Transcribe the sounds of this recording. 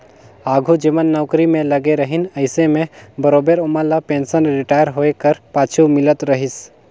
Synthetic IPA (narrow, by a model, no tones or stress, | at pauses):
aːɡʱud͡ʒimənːɔʊkɾimẽləɡeɾəɦinəɪsemẽbəɾoːbeɾʊməlapẽːnsənɾɪʈaːjəɾɦoekəɾpaːt͡ʃʰumɪlət̪ɾəɦis